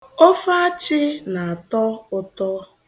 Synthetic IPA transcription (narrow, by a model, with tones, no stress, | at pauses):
ɔ˦fa˦a˦t͡ʃɪ˦na˨a˨tɔ˦ʊ˦tɔ˦